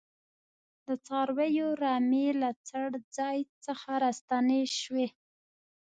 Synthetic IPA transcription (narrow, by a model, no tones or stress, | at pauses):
d̪ət͡sɑɾwejoɾɑmelat͡saɽd͡zɑjt͡səxaɾast̪aneʃwe